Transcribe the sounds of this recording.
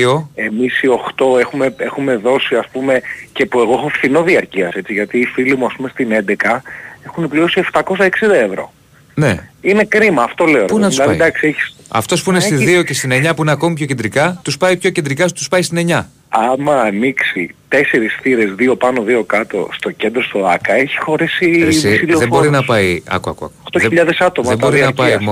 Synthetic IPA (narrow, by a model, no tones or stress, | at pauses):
o̞e̞misio̞xt̪o̞e̞xume̞exume̞ðo̞siɐspume̞cepue̞ɣo̞exo̞fθino̞ðiɐɾciɐse̞t͡siʝɐt̪iːfilimuɐspumest̪ine̞nd̪e̞kɐe̞xunepliosieft̪ɐko̞sɐeksind̪ɐe̞vɾo̞̰ | ne̞̰ine̞kɾimɐːft̪o̞le̞onpunɐt̪silɐðid̪ɐksieçi̥sɐ̰ft̪o̞spuinest̪iððiocest̪ine̞ɲɐpuineɐko̞mipço̞ced̪ɾikɐt̪uspɐipço̞cend̪ɾikɐst̪u̥spɐjst̪ine̞ɲɐ | ɐmɐːniksit̪e̞se̞ɾisθiɾe̞zðio̞pɐno̞ðio̞kɐt̪o̞̰st̪o̞ce̞nd̪ɾost̪oɐkɐe̞çi̥xo̞ɾisissiioðebbo̞ɾinɐspɐjɐ̰kuɐ̰kuɐ̰kot̪oçðeiʎɐðesɐt̪o̞mɐeboɾinɐpɐjo